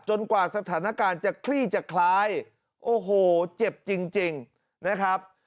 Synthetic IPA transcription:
t͡ɕo˧nkwaː˨˩sa˧t̪ʰaː˩˦na˦˧˥kaː˧nt͡ɕa˨˩kʰliː˥˩t͡ɕa˨˩kʰlaː˦˥j | ʔoː˧˩ɦoː˨˩t͡ɕe˨˩p̚t͡ɕi˧ŋt͡ɕi˧ŋ | na˦˥kʰɾa˦˥p̚

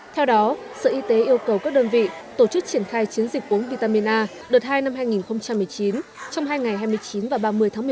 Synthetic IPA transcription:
t̪ʰɛ˧wɗɔ˨˦ | sə̰˧˨ʔi˧t̪e˨˦ʔi˧əwkə˨˩wkaː˦˥k̚ɗəː˧nvḭ˧˨t̪o˧˩t͡ɕɨ˦˥k̚t͡ɕi˧˩ənxaː˧jt͡ɕi˨˦ənzi˨˩k̟̚ʔu˨˦ŋvi˧t̪aː˧mi˧nʔaː˧ | ɗɨ˨˩t̚haː˧jna˧mɦaː˧jŋi˨˩nxə˧wŋ͡mt͡ɕa˧mːɨ˨˩əjt͡ɕi˨˦n | t͡ɕɔ˧wŋ͡mɦaː˧jŋa˨˩jhɦaː˧jmɨ˧əjt͡ɕi˨˦nvaː˨˩wɓaː˧˩mɨ˧əjt̪ʰa˨˦mɨ˨˩

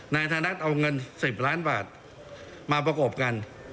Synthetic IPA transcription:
na˧jt̪ʰaː˧na˦˥t̪̚ʔa˧wŋɤ˧nsi˨˩p̚laː˦˥nbaː˨˩t̪̚ | maː˧p̬ɾa˧kɔ˨˩p̚ka˧n

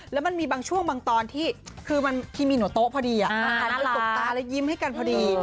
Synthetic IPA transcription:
lɛ˦˥wma˧nmiː˧baː˧ŋt͡ɕʰu˥˩əŋbaː˧ŋt̪ɔː˧nt̪ʰiː˥˩kʰɯː˧ma˧nt̪ʰiː˥˩miː˧nu˩˦ət̪o˦˥ʔpʰɔː˧diː˧ʔa˨˩a˧kʰa˦˥˧lɛ˦˥t̪o˨˩k̚tt̪aː˧lɛ˦˥ji˦˥mha˥˩jka˧npʰɔː˧diː˧

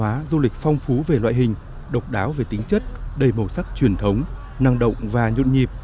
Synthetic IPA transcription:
aː˨˦zu˧lï˨˩k̟̚fɔ˧wŋ͡mfu˨˦ve˨˩lwa̰ː˧˨jɦï˨˩ŋ̟ | ɗə˨˩wk͡p̚ɗaː˨˦wve˨˩t̪ï˨˦ŋ̟t͡ɕə˦˥t̚ɗə˨˧˩jmo˧˩sa˦˥k̚t͡ɕwi˨˩ənt̪ʰə˨˦wŋ͡m | na˧ŋɗə̰˧˨wŋ͡mvaː˨˩ɲṵ˧˨nɲi˨˩əp̚

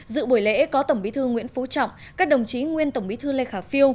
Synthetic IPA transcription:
zɨ̰˧˨ɓu˧˩jlḛ˧˥kɔ˨˦t̪ə˧˩ŋ͡mɓi˨˦t̪ʰɨ˧ŋwḭ˧˥ənfu˨˦t͡ɕɔ̰˧˨wŋ͡m | kaː˦˥k̚ɗə˨˩wŋ͡mt͡ɕi˨˦ŋwi˧ənt̪ə˧˩ŋ͡mɓi˨˦t̪ʰɨ˧le˧xaː˧˩fi˧əw

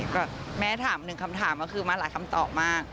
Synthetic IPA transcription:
bɛː˨˩mɛː˦˥˩t̪ʰaː˩˦mnɯ˨˩ŋkʰa˧mt̪ʰaː˩˦mkɔ˥˩kʰɯː˧maː˧laː˩˦jkʰa˧mt̪ɔː˨˩p̚maː˥˩k̚

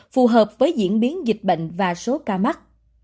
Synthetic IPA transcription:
fu˨˩ɦəː˨˩p̚vəː˨˦jzḭ˧˥ənɓi˨˦ənzï˨˩k̟̚ɓə̰˧˨ŋ̟vaː˨˩so˨˦kaː˧ma˦˥t̚

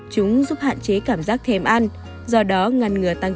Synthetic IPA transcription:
t͡ɕʊ˨˦ŋ͡mzu˦˥p̚ha̰ː˧˨nt͡ɕe˨˦kaː˧˩mzaː˦˥k̚t̪ʰɛ˨˩mʔa˧n | zɔ˧ɗɔ˨˦ŋa˨˩nŋɨ˨˩ət̪a˧ŋ

